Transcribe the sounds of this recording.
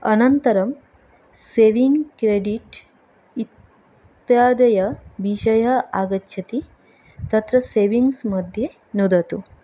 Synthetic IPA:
ɐnɐnt̪ɐɾɐm | seːʋiŋɡkɾeɖiʈ | it̪ | jaːd̪ɐjɐʋiʃɐjɐaːɡɐtːʃʰɐt̪i | t̪ɐt̪ɾɐseːʋiŋɡsmɐd̪ʱje | nud̪ɐt̪u

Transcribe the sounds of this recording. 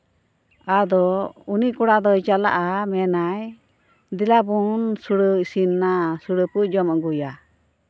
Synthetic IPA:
ad̪ɔunikɔɽad̪ɔjt͡ʃala̰ʔamɛnaj | d̪ilabunsuɽəsinːasuɽəpud͡ʒɔmaɡuja

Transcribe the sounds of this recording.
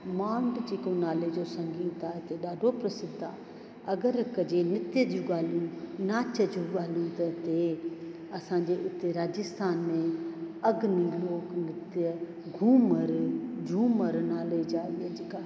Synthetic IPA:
mãːɳɖd͡ʒeːkõnaːled͡ʒoːsɐ̃ŋɡiːt̪aːɪt̪eɗaːɖʱopɾɐsɪd̪ʱaː | ɐɡəɾkɐd͡ʒenɪt̪jəd͡ʒũɡaːlijũnaːt͡ʃɐd͡ʒuɠaːlijũt̪ɐt̪e | ɐsãːɲd͡ʑeːʔɪt̪eɾaːd͡ʒɪst̪ʰaːnmẽɐɡniloːknɪt̪jə | ɡʱuːməɾd͡ʒʱuːməɾnaːled͡ʒaːed͡ʒɪkaː

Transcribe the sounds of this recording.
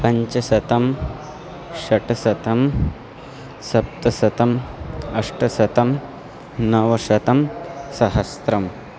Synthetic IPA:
pɐɲt͡ʃɐsɐt̪ɐm | ʃɐʈɐsɐt̪ɐm | sɐp̚t̪ɐsɐt̪ɐmɐʂʈɐsɐt̪ɐm | nɐʋɐʃɐt̪ɐmsɐɦɐst̪ɾɐm

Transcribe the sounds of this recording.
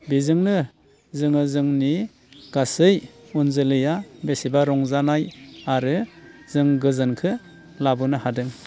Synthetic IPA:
bizɯŋnɯ | zɯŋɯzɯŋni | ɡ̥asɯjunzɯlɯjabesibaɾɔŋzanajaɾɯz̥ɯŋɡɯzɯnkʰɯ | labunɯhadɯŋ

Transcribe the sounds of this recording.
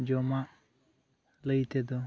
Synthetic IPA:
d͡ʒɔmaʔ | ləjt̪ʰed̪ɔ

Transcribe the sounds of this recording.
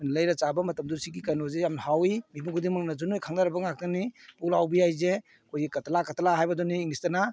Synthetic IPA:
majnləjɾat͡ʃabɐmɐtɐmduɾsiɡikajnozejamnhawimibuŋɡʰudiŋmɐŋnad͡ʒunojkʰaŋnaɾɐbɐŋak̚tanipulawbijajze | kʰojɡikɐtʰalakatʰalaɦajbɐdɔniːŋnistɐna

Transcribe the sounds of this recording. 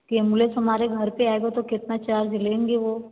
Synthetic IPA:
kemulesɦɐmaːɾeɡʱəɾpeaːeɡot̪okɪt̪nat͡ʃaːɾd͡ʒɪlẽːŋɡeʋo

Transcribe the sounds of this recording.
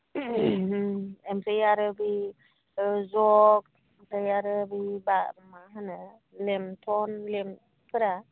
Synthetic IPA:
ɛmɾajaɾɯbi | zɔk̚ | mtajaɾəbibamaɦana | lɛmtʰɔnlɛm | pʰɯɾa

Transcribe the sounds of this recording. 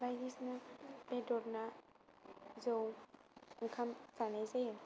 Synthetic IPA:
bajdisnabedɔɾna | zaw | ŋkʰamsanajzaja

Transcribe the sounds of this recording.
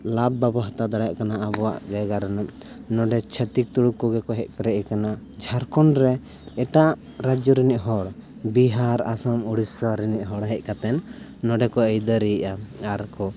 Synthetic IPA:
labːɛbɔɦt̪ad̪aɽɛjaʔkanaʔabɔwa̰ʔd͡ʒajɡaɾɛnɔm | nɔɖɛt͡ʃʰɛt̪ik̚t̪uɽukɔɡɛkɔɦɛc̚ˀpɛɾɛʔikana | d͡ʒʱaɾkɔnɾɛ | ɛʈaʔ | ɾad͡ʒɔɾiniʔɦɔɽbiɦaɾa̰samuɽisaɾiniʔɦɔɽɦɛc̚kat̪ɛnː | ɔɖɛkɔɛjd̪əɾiʔaaɾkɔ

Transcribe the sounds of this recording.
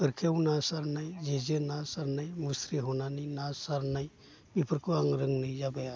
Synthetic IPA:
pəɾkʰewnasaɾnajd͡ʒed͡ʒenasaɾnajmusɾiɦɔnaninasaɾnaj | bipʰəɾkuaŋɾɯŋnɯjd͡ʒabaja

